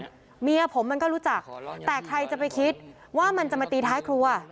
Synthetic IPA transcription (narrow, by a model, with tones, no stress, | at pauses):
mi˧ɐpʰo˩˦mːa˧nkɔː˥˩ɾuː˦˥t͡ɕa˨˩k̚t̪ɛː˨˩kʰɾa˧jt͡ɕa˨˩pa˧jkʰi˦˥t̪̚ | waː˥˩ma˧nt͡ɕa˨˩ma˧t̪iː˧t̪ʰaː˦˥jkʰɾu˧ɐ